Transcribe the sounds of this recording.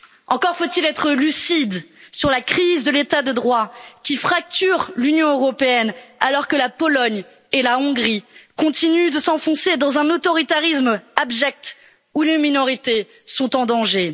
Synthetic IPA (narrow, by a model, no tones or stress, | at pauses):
ɑ̃kɔʁfot̪ilɛt̪χəlysid̪syʁlakχizd̪əlet̪ad̪əd̪ʁwakʲifχak̚t̪yʁlynjɔ̃øʁɔpeɛnalɔʁkəlapɔlɔɲ | elaɔ̃ɡʁikɔ̃t̪inyd̪əsɑ̃fɔ̃sed̪ɑ̃zɛ̃not̪ɔʁit̪aʁismabʒɛk̚t̪ | uleminɔʁit̪e | sɔ̃t̪ɑ̃d̪ɑ̃ʒe